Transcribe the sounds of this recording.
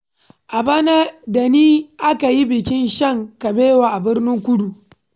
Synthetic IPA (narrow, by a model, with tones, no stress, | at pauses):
ʔa˨ba˦na˦da˨niː˦ʔa˦ka˨ji˦bɪ˨kʲɪ˦nʃɐ˦˨ŋka˨beː˦waː˨ʔa˨bɪ˦rnɪ˦ŋkʷʊ˦du˨